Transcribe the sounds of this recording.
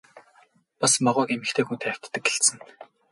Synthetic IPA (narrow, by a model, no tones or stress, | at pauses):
pasmɔʁʊːkemɘ̆kt̪ʰeːxunt̪ʰæw̥ʲt̪ːɘ̆k̚ːeɬt̪sɘ̆n